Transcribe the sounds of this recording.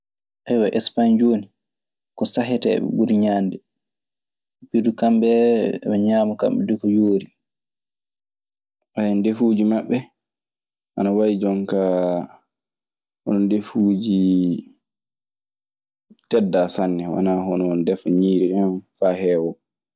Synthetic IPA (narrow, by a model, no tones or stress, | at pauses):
ʔajwaʔɛspaɲd͡ʒoːni | kɔsaɦɛtɛ̰ɓɛ̰ɡuɾɲandɛ | pidukambɛmɛɲaːmɔka̰mɓɛdukɔjoːɾi | ʔajɛndefud͡ʒimaɓːɛ | ʔa̰nawajid͡ʒɔŋka | hɔnɔndefuːd͡ʒi | tɛdːasanːɛwa̰naɦɔnɔndɛfɲiːɾiɔnfaːhɛwɔ